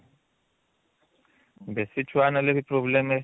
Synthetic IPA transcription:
besit͡ʃʰwanalebipʼrɔblɛmɛ

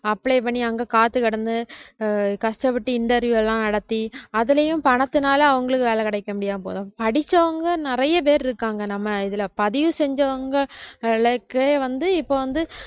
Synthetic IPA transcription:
ɐpːɭeːpɐɳiɐŋɡɐkaːt̪ːɯkɐɽɐnd̪ɯ | kɐʂʈɐpɪʈːɯɪnʈ̪ɐɾʋjuɛlãːnɐɽɐt̪ːiɐðɯlɐjʊ̃mpɐɳɐt̪ːɯnaːlɐɐʋɐŋɡɐɭɯkːɯʋeːlɐkɐɽɐɪkːɐmʊɽɪjaːpo̰ːðɐpɐɽɪt͡ʃːɐʋɐŋɡɐnɪɾɐjɐp̬eːɾɪɾɯkːaːŋɡɐnɐmːɐɪðɪlɐpɐðɪjɯ̃sɛɲd͡ʒɐʋɐŋɡɐɪɭɐkːɯeːʋɐnd̪ɯɪpːoːʋɐnd̪ɯ

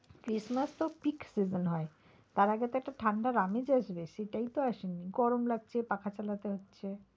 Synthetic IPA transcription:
kɾismast̪opiksid͡ʑonɦɔe | t̪aɾaɡet̪oɛk̚ʈaʈʰaɳɖaɾamed͡ʑaʃbeʃeʈajt̪oaʃenːiɡɔɾomlaɡ̚t͡ɕʰepakʰat͡ɕalat̪eɦotːɕʰe

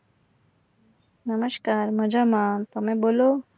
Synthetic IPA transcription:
nəməʃkaːɾməd͡ʒamat̪əmẽbolo

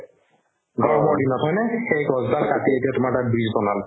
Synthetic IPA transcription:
ɡʱɔɹɔbɔɹdinɔtʰɔjnɛxejɡɔzdalkatietijatʊmaʈabɹizbɔnal

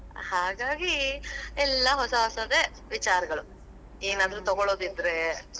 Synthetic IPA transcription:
haːɡaːɡiɛlːɐɦɔsɐɦɔsɐd̪e | ʋit͡ʃaːɾɐɡɐɭu | eːnaːd̪ɐɾut̪ɐɡoɭo̞ːd̪id̪ɾe

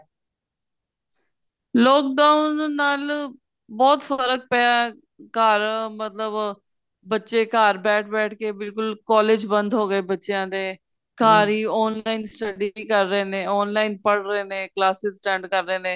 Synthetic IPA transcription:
lɔːk̚ɖaːʊnːaːl | bɔːt̪fəɾək̚pɛaː | kaːɾmət̪ləb | bətːʃeːkaːɾbɛːʈʰbɛːʈʰkeːbɪlkʊlkɔːleːd͡ʒbə̃nd̪ɦoːɡəeːbətːʃejãːd̪eː | kaːɾiːɔːnlaːinsʈəɖikəɾːəeːnẽːɔːnlaːinpəɽɾəeːnẽːklaːsɪsʈɛ̃ːɳɖkəɾːəeːnẽː

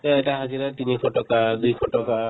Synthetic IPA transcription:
tɛɛtaɦaziɾatinipʰɔʈɔkad̪ujpʰɔʈɔka

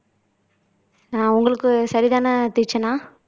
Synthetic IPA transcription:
nãːʊŋɡɐɭɯkːɯsɐɾiðaːnɐt̪ɪɾt͡ʃːɐnãː

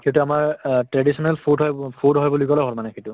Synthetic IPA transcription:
kituamaɹtɹadisɔnɛlpʰudɦɔjpʰudɦɔjbɔlikɔlɔɦolmanɛkʰitʊ

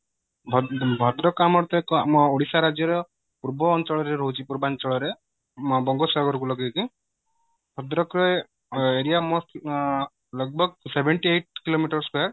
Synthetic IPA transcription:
bʱɔbʱɔd̪ɾɔkamɔɾt̪ɔkɔamɔoɽisaɾad͡ʒjɔɾɔ | puɾbɔːnt͡ʃɔɭɔɾeɾɔɦut͡ʃʰipuɾbant͡ʃɔɭɔɾe | mɔbɔŋɡɔsɔɾɡɔɾɔk̬ulɔɡit͡ʃĩ | bʱɔd̪ɾɔkɾɔ | eɾijamosʈ | lɔk̚bɔɡsebʱeɳʈieʈ̚kilomiʈɔɾskaɾ

